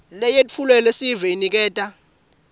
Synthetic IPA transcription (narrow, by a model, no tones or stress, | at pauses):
lɛjetʼfʰulwɛlesivɛinik̬ɛːtʼa